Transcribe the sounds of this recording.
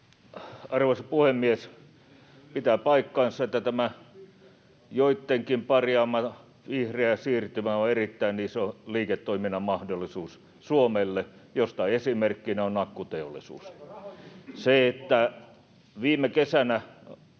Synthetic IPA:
ɑrʋosɑpuhemːies | pit̪æpɑikːɑinset̪ːæt̪æmæ | joit̪ːeŋkimpɑrjɑːmːɑ | ʋihreæsiːrt̪ymæoerit̪ːæinnisoliːket̪ːoiminɑmɑhdolːˑisuːs | suomelːejost̪ɑiesimerkːinæonnɑkːut̪eolːˑisṵːs | seet̪ːæ | ʋiːmˑekesænæ

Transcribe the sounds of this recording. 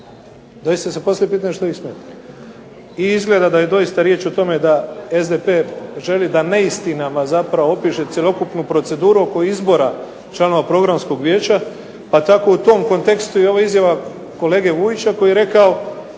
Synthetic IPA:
d̪o̞jist̪asepo̞sljepiːt̪aɲeʃt̪oixsmjet̪i | iizɡle̞d̪ad̪ajed̪o̞ist̪aɾje̞ːt͡ʃot̪o̞me̞d̪ae̞zd̪e̞pe̞ːʒe̞lid̪ane̞ist̪inamazapɾaʋoopiːʃe̞sʲjelʲˠo̞kupnupɾo̞t̪se̞d̪uːɾuoko̞izbo̞ɾa | t͡ʃlˠano̞ʋapɾo̞ɡɾamsko̞ɡʋʲje̞ːt͡ɕa | pat̪ako̞ut̪o̞ːmko̞nt̪e̞kst̪ueo̞ʋaizjaʋa | ko̞le̞ːɡe̞ʋuit͡ɕako̞jieɾe̞kao̞

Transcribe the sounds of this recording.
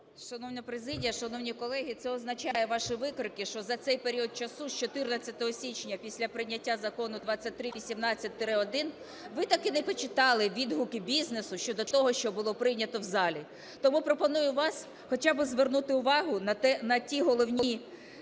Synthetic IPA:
ʃɐnɔwnʲɐpɾezɪdʲijɐʃɐnɔwnʲikɔlˠɛɦʲit̪sɛɔznɐt͡ʃajɛʋɑʃiʋɪkɾɪkɪʃt͡ʃɔzɐt̪sɛjpeɾʲiɔd̪̚t͡ʃɐsuʃt͡ʃɔt̪ɪrnɐt͡sʲːɐt̪ɔɦɔsʲit͡ʃnʲɐpʲisʲlʲɐpɾɪnʲɐtʲːazɐkɔnʊd̪ʋɑt͡sʲːɐt̚ʲt̪ɾɪʋʲisʲimnɑt͡sʲːɐt̚ʲt̪ːɾɪɔd̪ɪn | ʋɪt̪ɐkɪnɛpɔt͡ʃɪt̪ɑlˠɪʋʲid̪ɦʊkɪbʲiznesʊʃt͡ʃɔd̪ɔt̪ɔɦɔʃt͡ʃɔbʊlˠɔpɾɪjnʲɐt̪ɔwzɑlʲi | t̪ɔmupɾɔpɔnujʊʋɑs | xɔt͡ʃabɪzʋernut̪ɪʊʋɑɦʊnɐt̪ɛnɐtʲiɦɔlˠɔwnʲi

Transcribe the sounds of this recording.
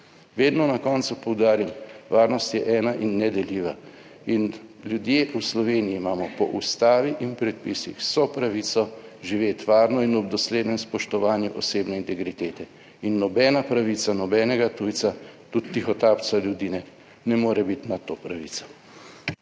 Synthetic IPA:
ʋeːd̪nɔnakɔnt̪supɔwd̪aːɾimʋaːɾnɔst̪jɛʔɛːnaʔinːɛd̪ɛliːʋa | inlʲjud̪jeːʔuslɔʋeːniiːmaːmɔpɔ̰ʔust̪aːʋiʔinpɾɛt̪̚pisḭxsɔpɾaʋit̪sɔʒiʋeːt̪ʋaːɾnɔinɔb̚d̪ɔsleːd̪nɛmspɔʃt̪ɔʋaːnjuʔɔseːbnɛint̪ɛɡɾit̪eːt̪ɛ | inːɔbɛːnapɾaʋit̪sanɔbɛːnɛɡat̪uj̪sat̪ut̪ːixɔt̪apt͡ssaljud̪inɛ | nɛmoːɾɛbit̪nat̪oːpɾaʋit̪sɔ̥

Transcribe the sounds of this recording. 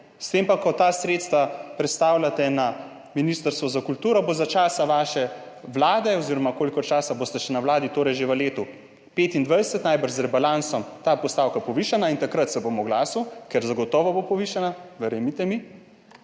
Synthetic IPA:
st̪eːmpakɔt̪aːsɾeːt̪st̪ʋapɾɛt̪st̪aːwlʲat̪ɛna | minist̪əɾst̪ʋɔzakult̪uːɾɔbozat͡ʃaːsaʋaːʃɛ | ʋlaːd̪ɛɔziːɾɔmakoːlikɔt͡ʃaːsaboːst̪ɛʃɛnawlaːd̪it̪oːɾɛjʒeʋəleːt̪u | peːt̪ind̪ʋajsɛt̪najbəɾʃzɾɛbalansɔmt̪aːpɔst̪aːwkapɔʋiːʃanaint̪akɾət̪sɛboːmɔɡlaːsukɛɾzaɡɔt̪ɔːʋɔbopɔʋiʃanaʋɛɾemit̪ɛmi

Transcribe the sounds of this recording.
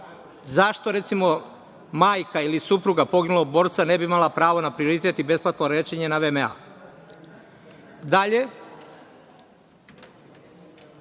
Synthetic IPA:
zaʃt̪o̞ɾe̞t̪simo̞ | maːjkailisupɾuɡapo̞ɡinuloɡ̚bo̞ɾt̪sane̞biimalˠapɾaːʋo̞napɾio̞ɾit̪e̞t̪ibe̞splˠat̪oɾeːt͡ʃeɲenaʋemea̰ | d̪aʎe̞

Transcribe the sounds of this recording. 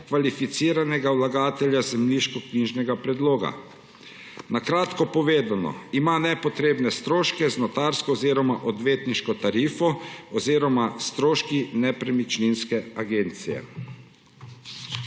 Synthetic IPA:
kʋalifit̪siːɾanɛɡawlaɡaːt̪ɛlʲjazɛmliʃkɔkniːʒnɛɡapɾɛd̪loːɡa̰ | nakɾaːt̪kɔpɔʋeːd̪anɔ̰imanɛpɔt̪ɾeːbnɛst̪ɾoːʃkɛznɔt̪aːɾskɔːziɾɔmaʔɔd̪ʋeːt̪niʃkɔt̪aɾiːfɔɔziːɾɔmast̪ɾoːʃkinɛpɾɛmit͡ʃninskɛaɡeːnt̪sijɛ̰

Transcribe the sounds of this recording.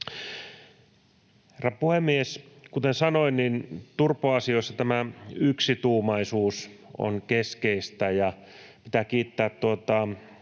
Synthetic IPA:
herɑpuhemːieskut̪ensɑnoinnint̪urpːˑoɑsioisːɑt̪æmæyksit̪uːmɑisuːso̰nkeskeist̪æjɑ | pit̪æːkiːt̪ːæːt̪t̪uot̪ɑ

